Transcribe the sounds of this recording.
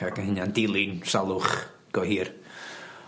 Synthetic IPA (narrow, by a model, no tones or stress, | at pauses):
akənhɪnandɪlˠɪnsalˠʊχ | ɡ̥ɔhiːr